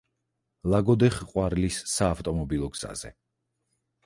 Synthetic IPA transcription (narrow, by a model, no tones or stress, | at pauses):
lˠaɡɔd̪ɛχqʼwaɾlisːaːft̪ʼɔmɔbilˠɔɡz̥a̰zɛ̰